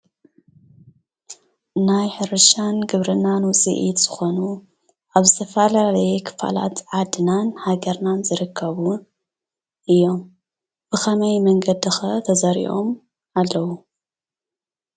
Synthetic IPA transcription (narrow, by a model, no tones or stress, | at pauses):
najħɨɾɨʃanɡɨβɾɨnanwʊt͡sʼḭʔit̪z̥ɨxo̞nu | ʔaβzɨt̪ʰɐfalalɐjekʰɨ̥fa̰la̰t̪ʕad̪ɨnanhaɡɐɾnanzɨɾɨkʰːɐβu | ʔɨjːo̞m | b̥ɨxʰɐmɐjmɐŋɡɐd̪ɨxɐt̪ʰɐzɐɾḭʔo̞̰m | alːɐwu